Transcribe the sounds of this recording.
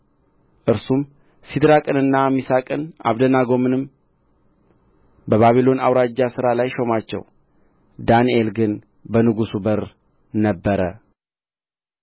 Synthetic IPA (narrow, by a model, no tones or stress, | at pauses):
ʔɨɾsum | sid̪ɾakʼɨnɨnːamisakʼɨnʔa̰βd̪ənaɡo̞mɨnɨm | bəβaβilo̞nawɾad͡ʒːasɨɾalajʃo̞mat͡ʃːɛ̰w | d̪aniʔe̞lɡɨn | bənɨɡusubəɾ | nəbːəɾə